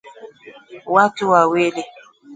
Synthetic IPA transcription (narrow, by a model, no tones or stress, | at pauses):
watuwawele